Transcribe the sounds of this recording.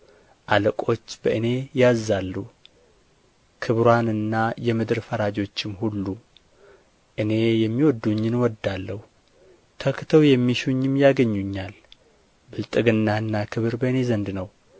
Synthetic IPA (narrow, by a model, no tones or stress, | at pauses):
ʔaləkʼo̞t͡ʃːbəʔɨne̞jazːalːu | kʰɨβɾanɨnːajɛmɨd̪ɨɾfəɾad͡ʒo̞t͡ʃːɪmhulːu | ʔɨne̞jɛmːiwɔd̪ːuɲːɪnwɔd̪ːalːəhu | t̪ʰəkt̪ʰəwjɛmːiʃuɲːɪmjaɡəɲːuɲːal | bɨlt̪ʼɨɡɨnːaɨnːakʰɨβɨɾbəɨne̞zənd̪nəw